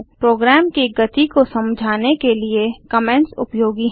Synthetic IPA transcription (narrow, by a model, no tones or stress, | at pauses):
pɾoːɡɾɛːmkiɡɐt̪ikosɐ̃md͡ʒʱaːnekeliekɐmɛ̃nʈsʊ̰pjoːɡiɦ